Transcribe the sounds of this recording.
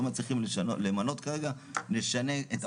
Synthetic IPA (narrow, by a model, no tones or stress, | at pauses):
mat͡sliχimolemano̞t̪kaʁe̞ɡa | neʃane̞et